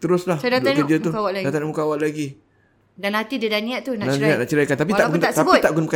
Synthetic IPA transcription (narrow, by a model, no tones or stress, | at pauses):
t̪əɾʊslahsadad̪akəd͡ʒət̪uawalaɡdat̪anmukawaʔlaɡi | danhat̪idədaniaʔt̪unadaaʔnaʔt͡ʃəlakant̪ap̬it̪aʔɡunt̪ast̪əabʊit̪aʔɡunpəka